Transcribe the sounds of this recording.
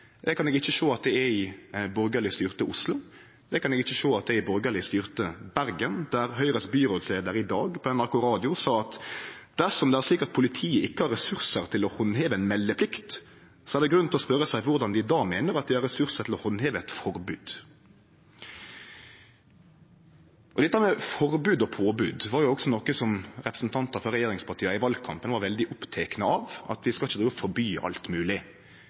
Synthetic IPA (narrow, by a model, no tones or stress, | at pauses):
d̪ɛkʰɑnɛɡɪçːəʃoːɑt̪̚d̪ɛɛɪbɔɾɡəlɪst̪yːʁt̪əʔʊslʊ | d̪ɛkɑnɛɡɪçːəʃoːɑt̪̚d̪ɛɪbɔɾɡəɭɪst̪yːʁt̪əbæɾɡənd̪̥æɾhœʏɾəsbyːɾoːsleːd̪əɾɪd̪ɑːɡpʰɔɛnɑɾkʊɾɑːd̪ɪʊsɑːɑt̪d̪̥æsɔmd̪ɛæɾsɪkəʁt̪̚pʰʊlɪt̪ʰiːəʔɪkːəhɑɾːɛsʉʁsəɾt̪ʰɪlɔhɔnheːʋəɛnmɛlːəpʰlɪkt̪ | sɔæʁd̪ɛɡɾʉnɛlɔspœɾəsæɪʋʊɾd̪ɑnd̪ɪd̪ɑːmeːnəɾɑt̪̚d̪ɪhɑɾɛsʉɾsət̪ɪlɔhɔnːheːʋəɛt̪fɔɾbʉːd̪̥ | ʔɔd̪ɛt̪ːəmɛfɔɾbʉːd̪ɔpʰoːbʉːd̪ʋɑɾjʊɔksɔnɔkːəsɔmɾɛpɾəsn̩t̪ʰɑnt̪əɾfɔɾɛjeːɾɪŋspʰɑʁʈʰiːəɪʋɑlɡkʰɑ̰mpənʋɑɾʋɛld̪ɪʔʊpt̪ʰeːknəɑʋɑ̰t̪ʋɪskɑlɪçːd̪ɾiːʋəfɔɾbyːʔɑ̰lt̪mʉːlɪ